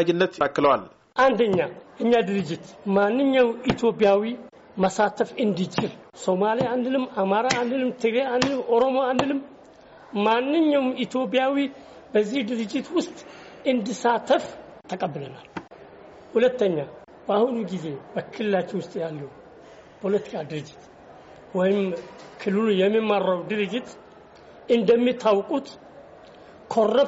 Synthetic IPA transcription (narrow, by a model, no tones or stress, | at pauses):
d͡ʒɪnːət̪akːɨləwal | ʔand̪əɲːaʔɨɲːad̪ɨɾɨd͡ʒːɪt̪manːɨɲːawit̪ʰjo̞pʼjawi | məsat̪ʰəfɨnd̪it͡ʃɪlso̞malijaand̪ɨnɨmːamaɾaːnd̪ɨnɨmt̪ʰɨɡɾeand̪ɨlɨmo̞ɾo̞mo̞and̪ɨnɨm | manːɨɲːawmit̪jo̞p̬ʼijawi | bəzːihd̪ɨɾɨd͡ʒːɪt̪wʊst̪ʼɨnd̪ɨsat̪ʰəft̪ʰəkʼəbːɨlənal | hulət̪ːəɲːa | bahunuɡize̞bəkʰɨlɨlat͡ʃːɪnwʊst̪ʼjalːəw | pʰo̞lət̪ʰi̥kʰad̪ɨɾɨd͡ʒːɪt̪ | wɔjɪm | kʰɨlːɨlujɛmːimːaɾawd̪ɨɾɨd͡ʒːɪt̪ | ɨnd̪əmːit̪ʰawkʼut̪ | kʰo̞rːə